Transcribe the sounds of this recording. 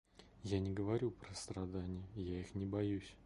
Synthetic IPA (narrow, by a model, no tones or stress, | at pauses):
janʲɪɡəvɐɾʲupɾəst̪ɾɐd̪anʲɪjəjaixnʲɪbɐjusʲ